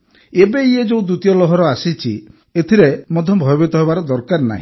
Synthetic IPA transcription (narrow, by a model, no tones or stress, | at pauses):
ebeied͡ʒoud̪ut̪ijɔlɔɦɔɾɔasit͡ʃʰḭ | et̪ʰiɾemɔd̪ʱjɔmbʱɔjɔbit̪ɔɦebaɾɔd̪ɔɾkaɾna̰ɦĩ